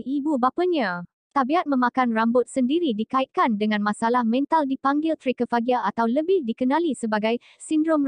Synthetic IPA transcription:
ibubapaɲã | t̪abiat̪̚mə̃mãkanrambʊt̪̚səndiɾidikaɪt̪̚kandəŋãnmãsalahmɛ̃nt̪aldipaŋɡɪlt̪əɾekəfaɡiaat̪awləbɪhdikənãlisəbaɡaj | sindɾɔm

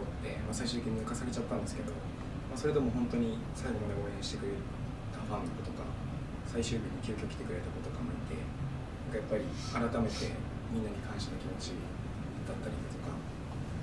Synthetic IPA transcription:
o | ḛmasaiɕɨ̟t̪ːekiɲiakasaɡʲet͡ɕat̪ːãnd̪e̞sɨ̥ke̞d̪o̞ | maso̞ɾe̞d̪e̞mo̞ɦõ̞nt̪o̞ɲ̟i | saiɡononaoːẽɕi̥t̪ekɯ̟ɾeɾ | t̪aɸãnːoko̞t̪o̞ka̰ | saiɕɨːbʲiɲ̟ːikʲɨːkʲoːkʲi̥t̪e̞kɯ̟ɾet̪ako̞t̪o̞kamo̰it̪e̞̰ | nãŋkajapːaɾʲi | aɾat̪ame̞t̪e̞ | mʲĩnːaɲ̟ʲikʰãɰ̃ɕi̥t̪akʲimo̞t͡ɕi | d̪̥at̪ːaɾʲid̪at̪o̞ka̰

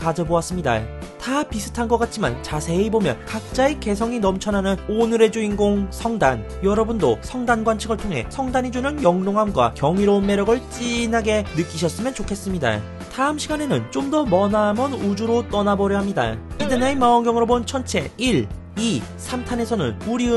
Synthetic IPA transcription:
kad͡ʑʌboas͈ɯmɲida̰ | tapisʰɯ̥tʰanɡʌk͈at̚t͡ɕʰima̰nt͡ɕasʰe̞ibomjʌnkak̚t͡ɕ͈aeke̞s̬ʰʌŋinʌmt͡ɕʰʌnanɯnonɯɾe̞d͡ʑuinɡoŋsʰʌŋdan | jʌɾʌbundosʰʌŋdanɡwant͡ɕʰɯɡɯɭtʰoŋɦe̞̰sʰʌŋdaɲid͡ʑunɯnjʌŋnoŋɦamɡwa̰kjʌŋiɾʌunme̞ɾjʌɡɯɭt͡ɕ͈inɦaɡe̞nɯk͈iɕʰʌs͈ɯmjʌnt͡ɕokʰe̞s͈ɯmɲida̰ | taɯmɕʰiɡane̞nɯnt͡ɕomdʌmʌnaːmʌnud͡ʑuɾot͈ʌnabʌɾjʌɦamɲida̰pidenaimaonɡjʌŋɯɾobont͡ɕʰʌnt͡ɕʰe̞iɭ | isʰamtʰane̞sʰʌnɯ̰nuɾiɯ

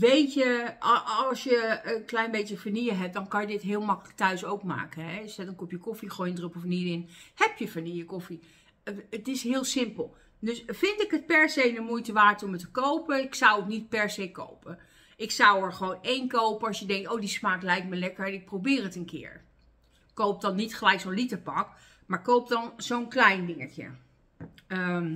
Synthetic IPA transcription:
ʋejtə | ɑlˠsjəəklɛjnbejtəfanijəɦɛp̚dɑnkɑnjədɪtɦɪːlˠmɑkələk̚tœɥsowkma̰ːkənɦɛsɛdənkɔpjəkɔfiχojəndrøpɔfnidɪnhɛpjəfanijəkɔfi | ətɪsɦɪːlˠsɪmpəlˠ | døsfɪntɪkət̚pɛɹzejdəmujtəʋaːtɔmətəkowpəɪksʌwətnit̚pɛɹzejko̰wpə | ʔɪksʌwəɹχəʋownejnkowpənɑsjədɛŋk̚towdismaːk̚lɛjk̚məlɛkəɹɛnɪk̚prowbɪːrətənkɪ̰ːɹ | kowp̚dɔnːitχəlɛjksonlitəpɑk | maːɹkowp̚dɔnzownklɛjndɪŋəcə̰ | m

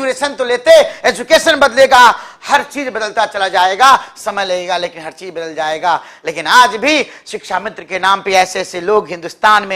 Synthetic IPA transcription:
uɾeːʃənt̪oleːt̪eeːd͡ʒukeːʃənbɐd̪leːɡahɐɾt͡ʃiːzbɐd̪əlt̪at͡ʃɐlad͡ʒaːeɡasɐməjlɐɡeːɡaleːkɪnɦɐɾt͡ʃiːd͡ʒbɐd̪əld͡ʒaːeːɡa | leːkɪnaːd͡ʒbʱiʃɪkʃamɪt̪ɾəkenaːmpiɛːseseloːɡɦɪ̃nd̪ust̪aːnmẽ

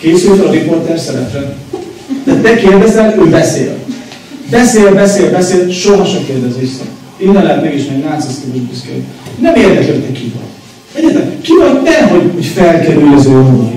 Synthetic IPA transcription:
keːsylt̪ɛlɒɾipo̞rt̪ɛrsɛɾɛ̰plɛ | d̪ɛt̪ɛkeːrd̪ɛzɛløːbɛsḛːl | bɛseːlbɛseːlbɛseːlʃoɦɒʃɛkeːrd̪ɛzeːʃsɛ̰ | eːnːɛmlɛɦɛt̪mɛɡeʃmɛɡnaːt̪sist̪oɡub̪yskɛ̰d̪ḭnɛmeːrd̪ɛk̪løt̪nɛkivɒ̰l | ɛɟɛt̪lɛkivɒnnɛɦo̞ɟhocfɛlkɛɾylɛzøːond̪ɒn

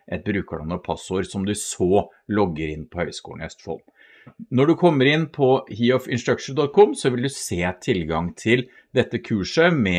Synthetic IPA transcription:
ʔɛt̪̚bɾʉːkəɭɑ̰nːɔpʰɑsoːɾsɔmd̪ʉsoː | lɔɡːəɾɪnːpʰɔhœʏskṵːɳɛ̰st̪fɔ̰l | nɔɖʉkʰɔmːəɾɪnːpʰɔhiːɔfɪnsʈ̪ɾœkʂɳd̪ɔt̪̚kʰɔmsɔʋɪld̪ʉseːt̪ʰɪlɡɑŋt̪ʰɪl | d̪ɛt̪ːəkʰʉːʂəmɛ

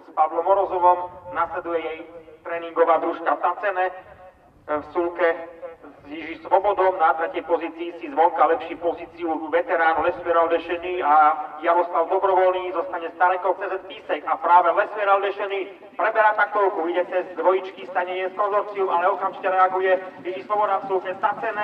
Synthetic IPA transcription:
spaʋlɔmɔɾɔzɔʋɔmnaslɛd̪ujɛjɛjt̪ɾɛːniŋɡɔʋaːd̪ɾuʃkat̪at͡sɛnɛ | fsulkɛziʒisʋɔbɔd̪ɔmnat̪ɾɛcɛjpɔziːt͡siːsizʋɔlkalɛpʃipɔziːt͡siuʋɛt̪ɛɾaːnvlɛsmɛɾalɾɛʃɛɲiːajaɾɔslaʊd̪ɔbɾɔʋɔlniːzɔst̪aɲɛst̪aɾɛkɔʊt͡sɛːzɛpiːsɛkapɾaːʋɛlɛsʋjɛɾalɾɛʃɛɲiː | pɾɛbɛɾat̪ak̚t̪ɔɾkuiɟɛt͡sɛzd̪ʋɔjit͡ʃkist̪aɲɛɛspɾɔzɔɾt͡siɔʔalɛɔkamʒicɛɾɛaɡujɛiʒislɔbɔd̪afsulkɲɛzat͡sɛnɛ

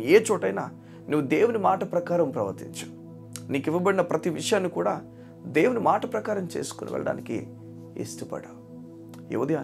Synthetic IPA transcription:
eːt͡ʃɔːʈɐjna̰ː | nuʋːud̪e̞ːwunimaːʈɐpɾɐkaːɾɐmpɾɐʋɐ̰ɾt̪ḭɲt͡ʃɐm | niːkiʋːɐbɐɽinɐpɾɐt̪iʋiʂɐjaːnːikuːɽaː | d̪e̞ːwunimaːʈɐpɾɐkaːɾɐmt͡ʃe̞̰ːsu̥kunʔḭʋɛ̰ɭɐ̰ɽa̰ːnikḭ | ḛst̪ɐpɐ̰ɽɐ | jḛʋɐd̪ia

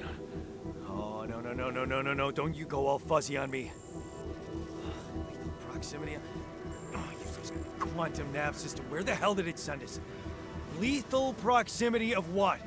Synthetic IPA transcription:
onoʊnoʊnoʊnonoʊnoʊnoʊdõʊ̃nt͡ʃɨɡoʊɔlˠfʌziə̃nmi | iθl̩ˠpʰɹ̥ɑksɪ̃mɨɾi | jɨd͡ʒʌskʰw̥ɑ̃ntɨ̃mnæpsɨstʰəwə˞ðɨhɛlˠdɨɾɨtsɛ̃ndɨz̥ | liθl̩ˠpʰɹ̥ɑksɪ̃mɨɾiʌvwʌt̚

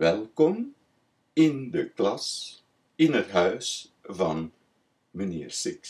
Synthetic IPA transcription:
ʋɛlˠkɔm | ɪndəklɑs | ɪnətɦœɥs | vɑn | mənɪ̰ːrsɪk

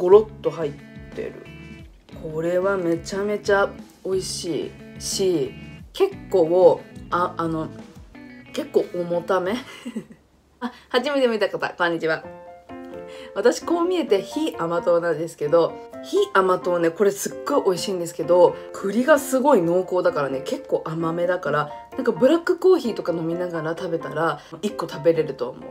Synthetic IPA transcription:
ɡ̥o̞ɾo̞t̪ːo̞ɦait̪ːe̞̰ɾɯ̟̰ | kʰo̞ɾe̞βame̞t͡ɕame̞t͡ɕa | o̞iɕḭːɕiːke̞kːo̞ːaʔano̞ | ke̞kːo̞ːʔomo̞t̪ame̞ | ahad͡ʑimet̪emit̪akat̪a̰kõ̞ɲ̟ːit͡ɕiβa | βat̪aɕi̥ko̞ːmʲie̞t̪e̞çiʔamat̪o̞ːnãnd̪e̞sɨ̥ke̞d̪o̞çiamat̪o̞ːneko̞ɾe̞sɨɡːo̞iʔo̞iɕiːnd̪e̞s̬ɨ̥ke̞d̪o̞kʰɯ̟ɾʲiɡasɨɡo̞ino̞ːko̞ːd̪akaɾane̞ke̞kːo̞ːʔamame̞d̪akaɾanãŋkabɯ̟ɾakːɯ̟ko̞ːçiːt̪o̞kano̞mʲinaɡaɾat̪abe̞t̪aɾaikːo̞t̪abe̞ɾe̞ɾɯ̟t̪o̞̰ːmo̞̰ɯ

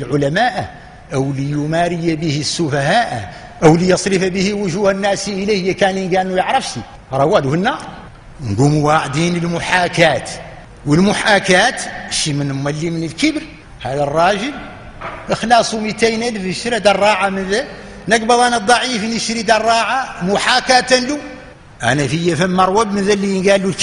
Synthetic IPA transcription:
əlʕʊlæmæʔ | ʔəwlijumæɾɪjabəhisːʊfæhaʔ | ʔəwlijɑsˤɾɪfbəhiwʊʒuhænːæsiʔəlæhəjːækæninɡænːujəʕɾˤəfʃi | ɾˤɑwːæluhənːɑɾˤ | nɡumwaʕd̪inəlmʊħakæt̪ | wəlmʊħakæt̪ʃːimənmːælːimənəlkəbɾ | hæd̪ərˤːɑʒəl | əxlɑsˤumit̪æjnælfəʃɾæd̪ɑrˤːɑʕamənðæ | nəɡbɑd̪ˤænæd̪ˤːɑʕifnəʃɾid̪ɑrˤːɑʕamʊħakat̪ænlu | ʔæ̰næfəjːæfæmːɑɾˤwæbmənðælːijənɡælːulk

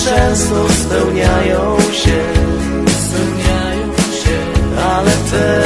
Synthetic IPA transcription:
ʂɛsnɔspɛwɲajɔ̃ | w̃ɕɛ | spɛwɲajɔ̃wɕɛ | alɛt̪ɛ

